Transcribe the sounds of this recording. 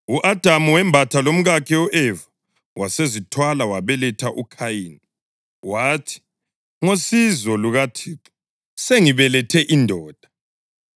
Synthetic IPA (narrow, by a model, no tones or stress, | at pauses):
uʔad̥ʱamuwɛmbʱatʰalom̩ɣakʰɛɔʔɛva | wʔasezitʰwalawaβɛlɛtʰaʔukʰajiːni | waːtʰi̥ | ŋosizɔluɣatʰiːǁɔ | seŋiβɛlɛtʰɛʔindʱɔːd̥ʱa